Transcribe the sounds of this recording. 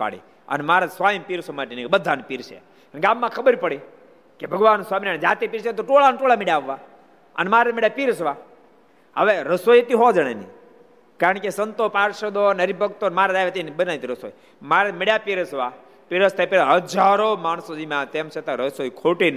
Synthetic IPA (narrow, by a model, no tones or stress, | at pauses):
pa̰ɽḭ | ə̰nmaɾasʋaimpiɾsomaʈinikebəd̪ʱːanpiɾt͡ʃʰḛ | əɳkamːãkʰəbəɾipəɽi | kebʱəɡʋanswaːminaned͡ʒaːt̪epiɾʃet̪̬oʈoɭanʈoɭameɽjaʋːa | ə̰nemaɾemeɽjapiɾəsʋa | ɦəʋeɾəsojt̪iɦod͡ʒəɽ̃enḭ | kaɾəɳkesənt̪opaɾʃəd̪onəɾibʱəkt̪onmaɾadaʋet̪enbənaʋit̪iɾəso̰j | maɾemeɽjapiɾəsʋa | piɾəst̪epeɭaɦəd͡ʒaɾomaɳ̃sod̪imãt̪emt͡ʃʰet̪aɾəsojkʰoʈin